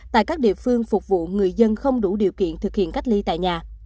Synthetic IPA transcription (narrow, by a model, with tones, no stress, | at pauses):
t̪a̰ː˧˨kaː˦˥k̚ɗḭ˧˨əfɨ˧əŋfʊ˨˩k͡p̚vṵ˧˨ŋɨ˨˩əjzə˧nxə˧wŋ͡mɗu˧˩ɗḭ˨əwkḭ˧˨ənt̪ʰɨ˨˩k̚hḭ˧˨nka˦˥jk̟̚li˧t̪a̰ː˧˨jɲaː˨˩